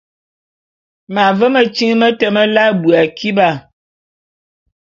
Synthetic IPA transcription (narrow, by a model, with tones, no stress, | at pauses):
ma˨və˦mə˨t͡ʃi˦ŋmə˦tə˨mə˦la˦bu˨a˨kʰi˦ba˦˨